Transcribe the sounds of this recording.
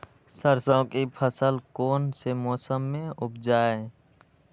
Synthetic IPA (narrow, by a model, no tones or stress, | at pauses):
səɾsə̃kipʰəsəlkoːnsemɔːsəmːẽʊpʰd͡ʒaːe